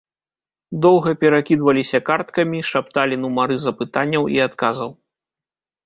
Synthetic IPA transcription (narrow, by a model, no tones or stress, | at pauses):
d̪ɔwɣɐpʲɛɾakʲid̪vɐlʲisʲɐkart̪kɐmʲiʂapt̪alʲinumaɾɨzɐpɨt̪anʲːɐwḭat̪kazɐw